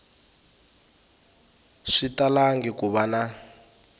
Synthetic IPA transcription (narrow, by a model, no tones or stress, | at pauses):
ʂitalaŋɡikuβana